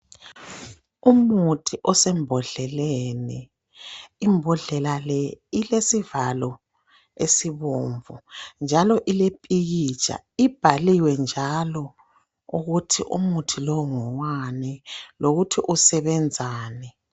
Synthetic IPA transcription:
umutʰiʔɔsɛmbʱɔɮɛlɛnɛ | imbʱɔɮɛlalɛilesivalɔ | esiβoːɱvṵnd͡ʒʱalɔʔilepʼiɣit͡ʃʼa̰ | ib̥ʱaliwɛnd͡ʒʱalɔ | uɣutʰḭʔṵmutʰilɔŋɔwanɛloɣutʰiʔusɛβɛnd͡zʱaːnɛ

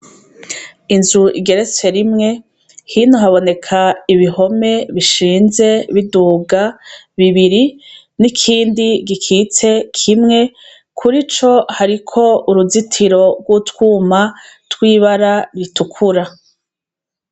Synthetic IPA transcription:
inzuḭɡe̞ɾe̞t͡se̞ɾimŋe̞ | hiːnuɦaβo̞ne̞kʰaiβiho̞me̞βiʃiːnze̞βiduːɡa | βiβiɾi | nikʰiːndiɡikʰiːt͡se̞kʰimŋe̞ | kʰuɾit͡ʃo̞haɾikʰo̞uɾuzitʰiɾo̞ɡwutwuːma | twiːβaɾaɾitukʰuɾa

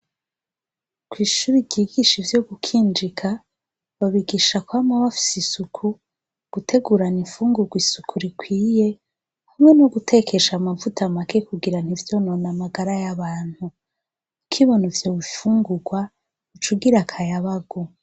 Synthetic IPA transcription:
kwiːʃuɾiɟiːɡiʃivjo̞ɡukʰiːnd͡ʒikʰa | βaβiɡiːʃakwamaβafi̥sisukʰu | ɡ̥utʰe̞ɡuɾaniɱfuːŋɡuɡwisukʰuɾikʰwiːje̞ | hamŋe̞noɡutʰe̞kʰe̞ʃamavutamakekuɡiɾan̥ivjo̞nonamaɡaɾajaβaːn̥hu | kʰiβonuvjo̞βifuːŋɡuɡwa | ut͡ʃuɡiɾakʰajaβaɡo

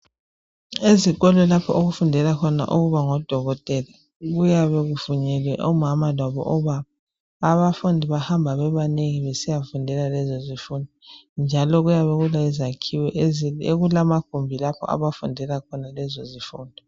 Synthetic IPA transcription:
eziɣɔlɛlapʰɔoɣufundʱɛlakʰɔna̰ʔuɣuβaŋɔd̥ʱɔɣɔtʼɛla | ɣujaβɛɣufuɲɛlwɛʔɔmamalaβɔ̰ʔɔβaβaː | βafundʱiβahambʱaβɛβaneŋiβɛsijafundʱɛlalɛzɔzifuːndʱind͡ʒʱalɔɣujaβɛɣulaizakʰiwɛʔeɣulamak̚ʰumbʱilapʰɔ̰a̰βafundʱɛlakʰɔnalɛzɔzifuːndʱɔ

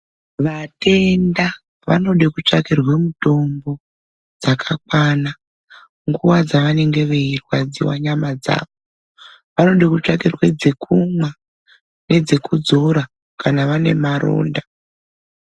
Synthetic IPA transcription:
ʋate̞nda | ʋa̰no̞ɗekut͡ʂakirwe̞muto̞mbo̞ | d͡zakʰak̚wana | ŋɡuwad͡zaʋane̞ŋɡe̞ʋeirwad͡zḭwa̰ɲamad͡za̰ːʋo | ʋano̞ɗekut͡ʂakirwe̞d͡zekʰumwa | ne̞d͡zekud͡zo̞ɾa | kanaʋane̞̰maɾo̰ːnda

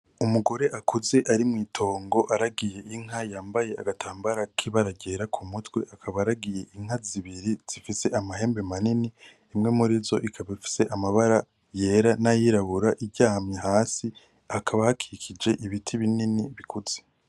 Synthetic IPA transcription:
umuɡo̞ɾe̞ʔakuze̞ʔaɾimŋiːtʰo̞ːŋɡo̞ʔaɾaɡije̞ʔiŋ̥ajaːmbaje̞a̰ɡatʰaːmbaɾakʰiβaɾaɟe̞ːɾakʰumutwe̞ʔakʰaβaaɾaɡije̞ʔiŋ̥haziβiɾiz̥ifise̞ʔamaɦe̞ːmbe̞manini | imŋe̞muɾizo̞ʔikʰaβaifi̥se̞ʔamaβaɾa | je̞ːɾanajiɾaβuɾaʔibɟaːhamɲeɦaːsi | akʰaβahakʰiikʰid͡ʒe̞ʔiβitʰiβininiβikʰuz̥e

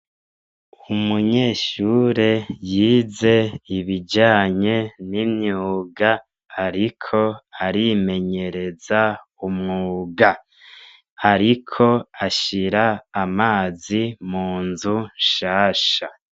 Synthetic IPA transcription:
umuɲe̞ːʃuːɾe̞jiːze̞iβiɟaːɲe̞nimɲuːɡaː | ɾikʰo̞aɾime̞ɲe̞ɾe̞za | umŋuːɡa | aɾikʰo̞aʃiɾaːmaːzimuːnzuʃaːʃa

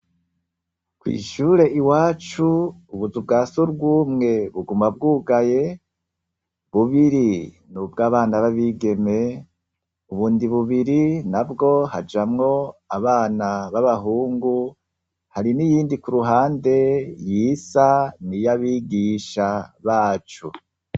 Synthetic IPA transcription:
kwḭːʃuːɾe̞ʔiwaːt͡ʃuːβuzubɡaːsuɾɡuːmŋe̞βuɡuːmab̚ɡuːɡaje̞ | βuβiɾi | nubɡaːβaːnaβaβiːɡe̞me̞ | uβuːndiβuβiɾinabɡo̞had͡ʒamŋo̞aβaːnaβaβaɦuːŋɡu | haɾinijiːndikuɾuɦaːnde̞jiːsanijaβiːɡiːʃaβaːt͡ʃṵ

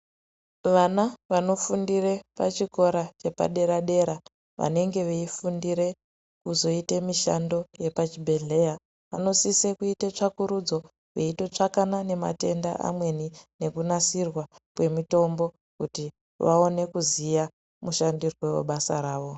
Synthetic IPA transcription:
ʋanaʋano̞fundire̞pat͡ʃiko̞ɾat͡ʃe̞pa̰ɗe̞ɾaɗe̞ɾa | ʋa̰ne̞ŋɡe̞ʋeifundiɾe̞ | kuzo̞itemiʃa̰ndo̞je̞pat͡ʃibʱe̞ɮe̞ja | ʋa̰no̞sisekuitet͡ʂakuɾud͡zo̞ | ʋeito̞t͡ʂakanane̞ma̰te̞nda̰ʔa̰mwe̞nine̞kunasirwakwe̞mito̞mbo̞ | kuti | ʋao̞ne̞kuzija | muʃandirwewo̰ɓasaɾaːʋo̞

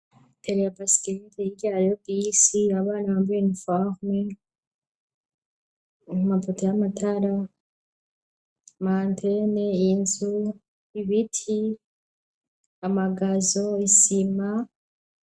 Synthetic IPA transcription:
tʰeɾejabasikeɾiteiɡaɾjobisiaβaːnaβaːmvenfaʁme | umapotojamatʰaɾa | mantʰeneinzu | iβitʰi | amaɡazoisima

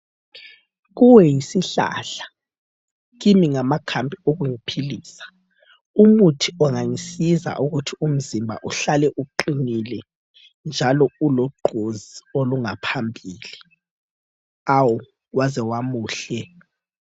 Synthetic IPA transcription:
ɣuwɛjisiɬa̰ɬḁ | ɣimiŋamakʰambʱioɣuŋipʰiliːsḁ | umutʰiɔŋaŋisiza̰ʔuɣutʰium̩zimbʱa̰ʔuɬalɛʔuǃinilɛ | nd͡ʒʱalɔuloɡ͡ǃʱozioluŋapʰambʱiːli | awu | wazɛwamuːɬɛ

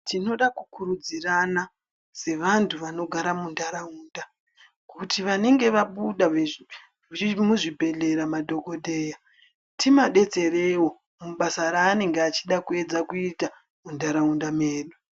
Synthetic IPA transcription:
tino̞ɗakukuɾud͡zirana | se̞ʋantʰuʋano̞ɡʱaɾamundaɾauːnda | kutiʋane̞ŋɡe̞ʋaɓuɗa | muʐibʱe̞ɮe̞ɾamadʱo̞ko̞dʱe̞ːja | timaɗe̞t͡se̞ɾewo̞ | muɓasaɾaːne̞ŋɡeat͡ʃiɗakue̞d͡zakuita | mundaɾaundameːɗu

